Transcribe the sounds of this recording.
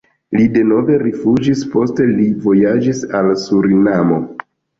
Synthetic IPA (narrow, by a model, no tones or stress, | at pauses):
lide̞no̞ve̞ɾifud͡ʒispo̞ste̞livo̞jad͡ʒisalsuɾinamo̞